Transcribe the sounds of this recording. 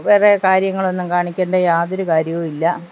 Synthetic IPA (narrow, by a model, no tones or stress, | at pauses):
ʋeːrekaːɾjɐŋːɐɭo̞nːumkaːɳikʲːeːɳɖɐjaːðoɾukaːɾjɐʋmilːɐ